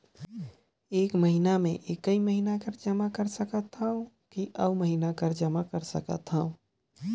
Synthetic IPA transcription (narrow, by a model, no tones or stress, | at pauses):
ekməɦinamẽʔekəiməɦinakəɾd͡ʒəmakəɾsəkət̪ɦəũ | kiʔəuməɦinakəɾd͡ʒəmakəɾsəkə̰t̪ɦəũ